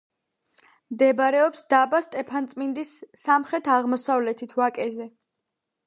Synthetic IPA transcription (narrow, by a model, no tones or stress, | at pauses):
md̪ɛbɾɛɔpsd̪abast̪ʼɛpʰant̪sʼmind̪isːamχɾɛt̪ʰaʁmɔsavlɛt̪ʰit̪ʰvakʼɛzɛ